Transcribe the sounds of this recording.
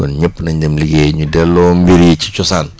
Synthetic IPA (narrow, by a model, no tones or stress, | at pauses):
ɔ̰nɲəpːnɐɲd͡ʒɐmliɡeɲudɛlːɔːmbiɾit͡ʃi̥t͡ʃɔsaːn